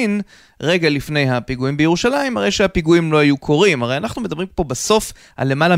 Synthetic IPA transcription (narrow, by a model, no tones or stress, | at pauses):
n | ʁe̞ɡalifne̞jɦapiɡuimbejeʁuʃalaimhaʁe̞jʃehapiɡuimlo̞ajukʰo̞ʁimaʁejanaχnume̞d̪abʁimpo̞baso̞f | ʔa̰lːe̞mala